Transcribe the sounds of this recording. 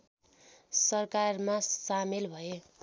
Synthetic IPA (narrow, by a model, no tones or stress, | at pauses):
sʌrkarmasamelbʱʌe